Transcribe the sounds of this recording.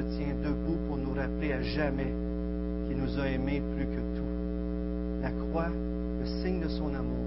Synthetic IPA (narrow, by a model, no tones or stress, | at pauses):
ət̪jɛ̃d̪əbupuʁnuʁapleaʒamɛ | kʲilnuzaemeplykət̪ʰu | lakχwa | ləsɪŋd̪əsɔ̃namuː